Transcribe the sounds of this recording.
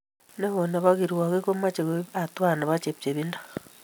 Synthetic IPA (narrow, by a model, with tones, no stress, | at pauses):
ne˦βo˨na˨βa˦ɣiɾi˨wa˨ɣe˦ko˦ma˦t͡ʃe˨kea˨twa˦˨na˨βa˦t͡ʃe˨pt͡ʃe˨βindḁ